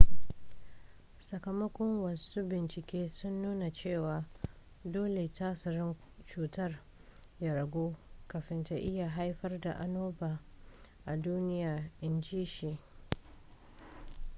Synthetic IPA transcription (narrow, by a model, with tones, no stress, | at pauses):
sɐ˨kɐ˨mɐ˦kʷɔ˦ŋwɐ˨suː˦bɪ˨nt͡ʃɪ˨kʲeː˦sʊ˦nːuː˦na˨t͡ʃeː˦˨waː˨ | doː˦le˨taː˦sʊ˨ɾɪ˦n | t͡ʃuː˨tɐ˦˨r | ja˦ɾɐ˨ɡʷoː˦kɐ˨ɸɪ˦nta˨ʔɪ˦ja˨ɦa˦jɸɐ˦rda̰˨ʔa̰˨noː˦baː˨ʔa˨duː˦nɪ˦jaː˨ʔɪ˦nd͡ʒiː˦ʃiː˨